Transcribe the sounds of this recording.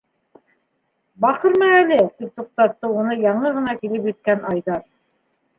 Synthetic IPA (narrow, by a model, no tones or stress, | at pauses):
bɑχɤɾmæælɘt̪ip̚t̪uq̚t̪ɑt̪ːɤunɤjɑɴɤʁɤ̆nɑkilɘpjɘ̆t̪̚kænʔɑjðɑɾ